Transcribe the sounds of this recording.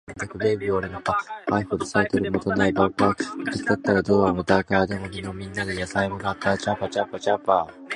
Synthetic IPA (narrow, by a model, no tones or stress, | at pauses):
at̪akɯ̟bebʲioɾenokaaiɸɯd̪esait̪oɾɯmot̪onːaibapaːkt̪ɯst̪at̪ːaɾad̪oːβamɯt̪aikad̪emoɲʲinomʲĩnːad̪ejasaimonat̪ːat͡ɕapat͡ɕapat͡ɕapa